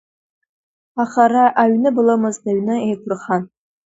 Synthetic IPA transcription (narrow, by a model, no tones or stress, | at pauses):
aχaɾaʔaɥnɨbɨlɐmɨzdaɥnɨejkʷʰʊrχan